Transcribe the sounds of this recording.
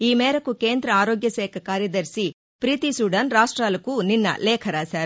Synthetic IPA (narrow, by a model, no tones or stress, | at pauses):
iːmeːɾɐkukeːnd̪ɾɐaːɾoːɡjɐsɛːkʰɐkaːɾjɐd̪ɐɾsi | pɾiːt̪isuːɖɐnɾaːʂʈɾaːlɐkuninːɐ̰leːkʰɐɾaːsaːɾ